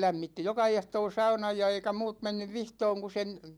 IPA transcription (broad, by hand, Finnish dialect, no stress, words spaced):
læmːitːi jokɑ ehtoː sɑunɑj jɑ eikæ muːt menːyʋ ʋihtoːŋ ku sen